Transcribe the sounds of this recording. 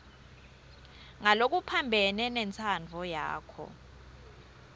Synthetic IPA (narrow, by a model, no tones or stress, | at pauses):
ŋalok̬upʰambʱɛnɛnɛnt͡sʰand͡vʱɔja̰ːkʰɔ̰